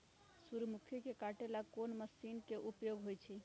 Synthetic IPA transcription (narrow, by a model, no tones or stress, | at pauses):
suɾmukʰikekaʈelakonməsinkeʔupjoɡɦojt͡ʃʰɛ